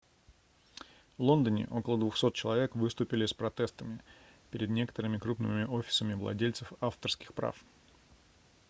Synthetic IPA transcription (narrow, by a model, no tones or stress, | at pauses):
vlˠo̞nd̪ənʲɪ̰ʔo̞kəlˠəd̪vʊxso̞t̪̚t͡ɕɪlˠɐvʲe̞kvɨst̪ʊpʲɪlʲɪspɾɐt̪ɛst̪əmʲɪ | pʲɪɾʲɪd̪nʲe̞kə̥t̪əɾɨmʲɪkɾupnɨ̰mʲmʲɪʔo̞fʲɪ̥səmʲɪvlˠɐ̰dʲelʲt̪səfaft̪ərskʲɪ̥xpɾa̰f